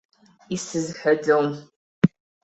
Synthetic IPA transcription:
isɨzħɐdɐwm

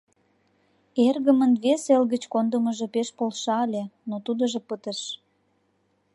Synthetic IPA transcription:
erɣəmənβeselɣət͡ɕkond̪əməʒepeʃpolʃɑlʲenot̪ud̪əʒepət̪əʃ

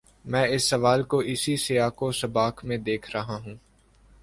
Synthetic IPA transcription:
mɛ̃ːɪsːɐʋaːlkoʔɪsisɪaːkosɐbaːkʰmẽd̪eːkʰɾɐɦaɦũː

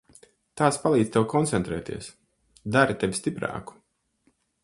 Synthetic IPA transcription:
t̪aːspalˠiːd̪̥ʲt̪ewkɔnt̪sɛnt̪ɾɛ̰ːt̪ḭɛs | d̪aɾit̪evʲist̪ipɾa̰ːku̥

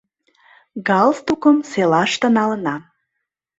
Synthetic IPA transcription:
ɡɑlst̪ukəmselɑʃt̪ə̆nɑlə̆nɑ

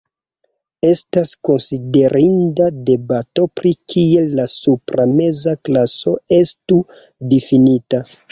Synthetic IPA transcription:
e̞stasko̞nside̞ɾʔindade̞bato̞pɾikʰie̞lasupɾame̞zaklaso̞e̞stu | difinita

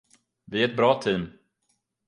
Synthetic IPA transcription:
vɪæɾɛt̪̚bɾɑːt̪ʰiːm

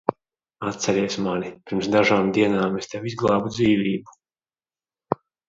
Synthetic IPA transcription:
at̪̚sɛɾiɛsmanipʲiɾmsd̪aʒaːmd̪iɛnaːmest̪ɛwizɡlˠaːbud̪ziːvʲiːbu

